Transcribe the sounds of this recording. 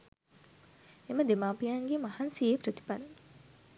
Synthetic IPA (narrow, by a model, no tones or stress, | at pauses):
eməd̪emaːpijaŋɡemahansieprət̪i̥palə